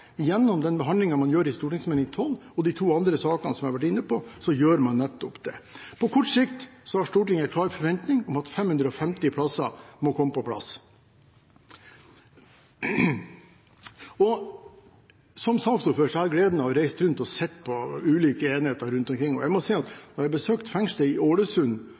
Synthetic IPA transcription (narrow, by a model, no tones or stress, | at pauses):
jɛnːɔmd̪ɛnbəɦɑnd̪lɪŋɑmɑnjøːɾɪst̪uːʈɪŋsmeːnɪŋt̪ʰɔlːɔd̪it̪ʰuːɑnd̪ɾəsɑːkənsɔmæɪɾʋæʈ̬ɪnːəpɔsɔjøːɾmɑnːɛt̪ːɔpd̪̥ɛ̰pʰɔkʰɔʈʂɪkt̪sɔhɑʂʈ̪uːʈɪŋːɛɪt̪kʰlɑːɾfɔɾʋɛnt̪nɪŋɔmɑt̪fɛmhʉnd̪ɾəɔfɛmt̪ɪpʰlɑsɑmɔkʰɔmːəpʰɔpʰlɑ̰s | ɔ | sɔmsɑnst̪ɔføːʂɔhæːɾɡleːd̪nəhɑɾæɪst̪ɾʉnt̪ɔsɛt̪ːpʰɔʉːliːkəeːnɪheːt̪əɾɾʉnt̪ɔmkʰɾɪŋːɔ̰jæɪmɔsiɪɑt̪nɔɾjæbəsøːkt̪fɛŋst̪əɪʔoːɽəsʉn